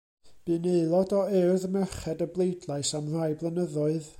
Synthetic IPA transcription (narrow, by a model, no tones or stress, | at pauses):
b̥ɨneɨlˠɔdɔɛwðəmɛχɛdəblˠejdlˠajsamr̥ajblˠənəðɔɨð